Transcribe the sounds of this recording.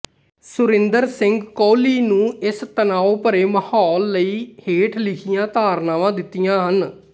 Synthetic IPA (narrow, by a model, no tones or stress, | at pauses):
sʊɾɪ̃nd̪əɾsɪŋɡkɔːliːnũːɪst̪ənaːoːpəɾeːməhɔːlːəiːheːʈʰlɪkʰɪjãːt̪aːɾnaːʋãːd̪ɪt̪ːijãːɦən